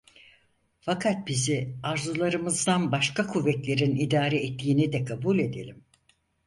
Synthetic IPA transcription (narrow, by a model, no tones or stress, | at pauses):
fakʰat̪̚biziaɾzulˠaɾɯmɯzd̪anbaʃkakʰuvːɛclʲe̞ɾinid̪aːɾɛːt̪ːiːnid̪ɛkʰabulʲe̞d̪ḛlʲim